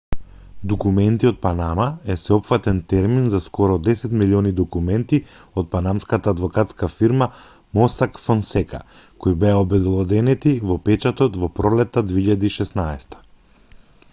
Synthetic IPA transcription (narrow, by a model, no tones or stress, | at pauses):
d̪okumɛnt̪iɔt̪̚panamaɛsɛɔpfat̪ɛnt̪ɛɾminzaskɔɾɔd̪ɛsɛt̪miliɔnid̪ɔkumɛnt̪i | ɔt̪̚panamskat̪aːd̪vɔkat̪skafiɾma | mɔsakfɔnsɛka̰ | kojbɛaobɛd̪ɛlˠɔd̪ɛnɛt̪ivɔpɛt͡ʃat̪ɔt̪vɔpɾɔlɛt̪ːad̪veiʎad̪iːʃɛsnaɛst̪ḁ